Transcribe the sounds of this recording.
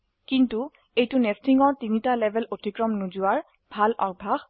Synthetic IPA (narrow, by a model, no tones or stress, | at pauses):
kintu | ejtʊnestiŋɔɹtinitalɛbʱɛlotikɹɔmnuzuwaɹ | bʱalʔa̰ɹ̚bʱax